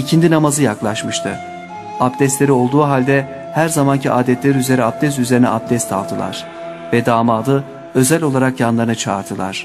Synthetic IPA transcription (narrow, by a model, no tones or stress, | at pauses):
icʰind̪inamazɯjaklˠaʃmɯʃt̪ʰɯ | apd̪ɛst̪lʲe̞ɾio̞lˠd̪uːɦalʲd̪ɛ | hæɾzamancʰiaːd̪ɛt̪lʲeɾiyze̞ɾiap̚d̪ɛs̬yze̞ɾinɛ̰ap̚d̪ɛst̪ʰa̰lˠd̪ʰɯlˠa̰ɾ̥ | vɛd̪aːmaːd̪ˠɯ | ø̞zælʲo̞lˠaɾakjanlˠaɾɯnɯt͡ʃʰaːɾt̪ʰɯlˠa̰ɾ̝̥